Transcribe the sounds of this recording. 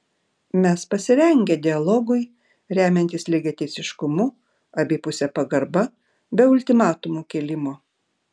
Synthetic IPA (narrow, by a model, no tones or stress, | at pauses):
mʲɛspɐsʲɪɾʲɛŋʲɡʲɛd̪ʲɪɐlˠɔɡʊɪ | ɾʲæːmʲɛnʲt̪ʲɪslʲɪɡʲet̪ʲɛɪsʲɪʃkʊmʊ | ɐbʲeːpʊsʲɛpɐɡɐɾbɐ | bʲɛʊlʲt̪ʲɪmɑːt̪ʊmuːkʲelʲɪmoː